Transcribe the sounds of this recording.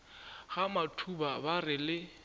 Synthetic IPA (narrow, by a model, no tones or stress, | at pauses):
ɣamatʰubabarɪlɪ